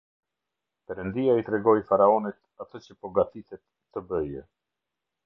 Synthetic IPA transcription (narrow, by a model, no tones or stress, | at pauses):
pɛɾənd̪iait̪ɾɛɡɔjfaɾaɔnit̪at̪ət͡ɕəpɔɡat̪iθɛt̪ːəbəjɛ